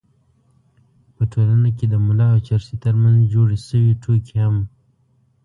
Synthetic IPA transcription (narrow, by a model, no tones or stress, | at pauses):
pəʈʰolanak̬ed̪əmʊlɑot͡ʃaɾsit̪əɾmanzd͡ʒoɽiʃəwiʈ͡ʂʰokiham